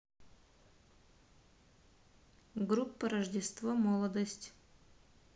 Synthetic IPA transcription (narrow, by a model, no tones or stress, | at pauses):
ɡrupːəɾəʐdʲɪst̪vomolˠəd̪əsʲtʲ